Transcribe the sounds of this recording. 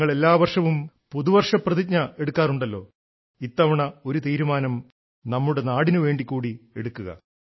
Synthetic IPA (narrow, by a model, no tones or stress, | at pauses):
ŋːɐɭe̞lːaːʋɐrʂɐʋum | puðuʋɐrʂɐprɐðit̚ɲɐe̞ɽukːaːruɳɖɐlːo̞ː | it̪ːɐʋɐɳɐo̞ɾut̪iːɾumaːnɐm | nɐmːuɽe̞naːɽinuʋe̞ːɳɖikʲːuːɽie̞̰ɽukːuɣɐ̰